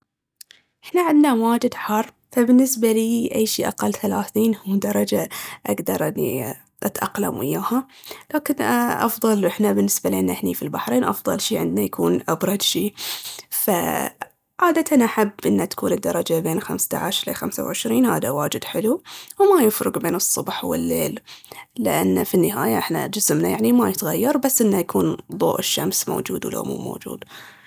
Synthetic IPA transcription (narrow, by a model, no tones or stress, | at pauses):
ʔɪħnaʕɪnd̪nawaːd͡ʒɪd̪ħɑrˤː | fabɪnːɪsbaliːʔajːʃiːʔaqɑlːθalaːθiːnhʊmːd̪ɑɾˤɑd͡ʒaʔaɡd̪ɑɾˤʔɪnːḭ | ʔat̪ʔɑqla̰mʔɪ̰jːaːhalaːkɪnʔɑ̰fðˤɑlʔɪħnabɪnːɪsbalʔɪnːʔɪħnḭːfilbaħɾeːnʔɑ̰fðˤɑ̰lʃiːʕɪ̰nd̪najakʰuːnʔɑbɾˤɑd̪ʃiːfa̰ | ʕaːd̪at̪ʰanʔaħabːʔɪnːat̪ḁkʰuːnɨd̪ːɑɾˤɑd͡ʒabeːnxa̰mst̪a̰ʕaʃʔɪla̰xamsa̰wʕɪʃɾiːnha̰ːðawaːd͡ʒɪd̪ħɪluwmajɪfɾʊɡbeːnɨsˤːʊbħwɪ̰lːeːllɪ̰ʔa̰nːafinːɪɦa̰ːjaʔɪħna̰d͡ʒɪsmnajaʕnimajɪt̪ɣajːɑɾˤbasːʔɪnːajakʰuːnðˤo̰ːʔɪʃːamsmo̰ːd͡ʒṵːd̪wɪla̰mṵːmo̰ːd͡ʒṵːd̪